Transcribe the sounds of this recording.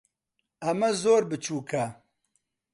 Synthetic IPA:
ɐmɐzoːɾbɨt͡ʃʰuːkʰɐ

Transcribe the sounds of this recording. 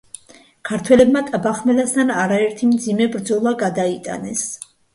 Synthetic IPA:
kʰaɾt̪ʰwɛlɛbmat̪ʼabaχmɛlast̪ʰanaɾaɛɾt̪ʰimd̪zimɛbɾd̪zɔlˠaɡad̪ait̪ʼa̰nɛs

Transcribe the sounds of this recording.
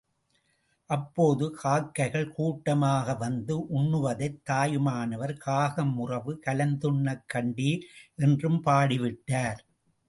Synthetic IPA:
ʔɐpːoːðɯkʰaːkːɐɪɣɐɭkuːʈːɐmaːɣɐʋɐnd̪ɯʔʊɳːɯʋɐðɐɪt̪ːaːjɯmaːnɐʋɐɾkaːɣɐmːʊrɐʋɯkɐlɐnd̪ɯɳːɐkːɐɳɖiʔɛndrɯmpaːɽɪʋɪʈːaːɾ

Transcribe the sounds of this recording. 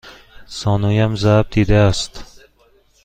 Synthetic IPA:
sɒnujamzab̚d̪ed̪aast̪

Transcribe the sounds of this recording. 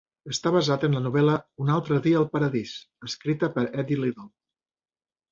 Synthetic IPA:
əst̪aβəzat̪ənlənuβ̞ɛləunalˠt̪ɾəðiəəlˠpəɾəðisəskɾit̪əpəɾɛd̪iliðolˠ

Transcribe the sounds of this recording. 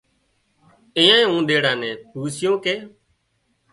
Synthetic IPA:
ɪ̃jãːĩːũːɗeːɽãːnɛ̃ːpuːsɪjõːkeː

